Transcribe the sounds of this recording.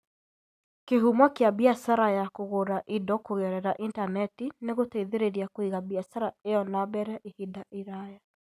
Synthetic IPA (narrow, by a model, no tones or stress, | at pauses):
keɦumɔkjabiasaɾajakoɣoɾaʔidɔkoɣɛɾɛɾaʔintanɛtineɣotɛiðeɾeɾiakoiɣabiasaɾaejɔnabɛɾɛʔehidaʔiɾaja